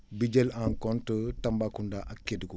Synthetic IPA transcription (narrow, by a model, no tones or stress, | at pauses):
biɟɛlaŋkɔntətɐmbakundaʔɐkːedkɔ